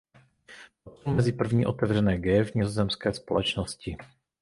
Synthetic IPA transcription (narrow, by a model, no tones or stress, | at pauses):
ot̪omɛzɪpr̩vɲiːʔot̪ɛvr̝ɛnɛːɡɛːvɲɪzozɛmskɛːspo̰lɛt͡ʃnoscɪ